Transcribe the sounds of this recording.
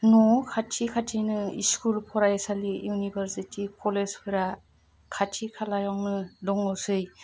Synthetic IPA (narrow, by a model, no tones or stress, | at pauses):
nɔkʰatʰikʰatʰinɯiskulpʰɔɾajsalijunibʱeɾsitʰikʰɔlespʰɯɾa | kʰatʰikʰalajɔŋnɯdɔŋɔwsɯj